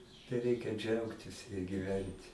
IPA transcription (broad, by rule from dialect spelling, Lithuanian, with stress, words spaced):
tɐɪ ˈrʲɛɪkʲɛ ˈd͡ʒʲɛʊktʲɪs ɡʲɪˈʋʲɛnʲtʲ